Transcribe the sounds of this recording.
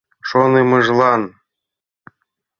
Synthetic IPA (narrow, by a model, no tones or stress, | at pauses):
ʃonemɤʒlˠɑn